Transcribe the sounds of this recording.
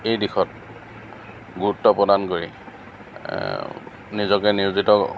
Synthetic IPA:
ejdixɔt̚ | ɡuɹutːɔpɹɔdankoɹi | nizɔkɛniɹzitɔ

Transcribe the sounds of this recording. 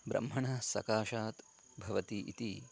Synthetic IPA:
bɾʔɐ̰mːɐɳɐsɐkaːʃaːt̪ | bʱɐʋɐt̪iʔḭt̪i

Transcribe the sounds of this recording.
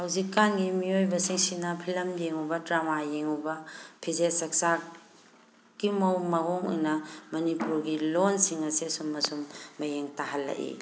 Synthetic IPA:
hawzikːanɡimiojbɐsiŋsinɐpʰilɐmjeŋubɐdɾamajeŋubɐpʰizesɐk̚sa | ɡ̥imɐwmɐɦoŋṵjnɐmɐnipuɾɡilonsiŋɐsesumːɐsumːɐjeŋtaɦɐlːɐ̰ʔḭ

